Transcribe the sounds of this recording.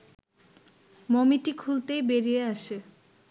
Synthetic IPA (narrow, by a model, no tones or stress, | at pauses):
momiʈikʰult̪ejbeɾijeaʃe